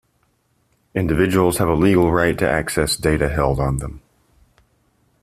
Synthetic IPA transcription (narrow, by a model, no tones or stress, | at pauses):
ɪ̃ndɨvɪd͡ʒəwl̩ˠz̥əvəliɡl̩ˠɹaɪtʰɨ̰ʔæksɛsd̥eɪɾɨɦɛlˠdn̩ðə̃m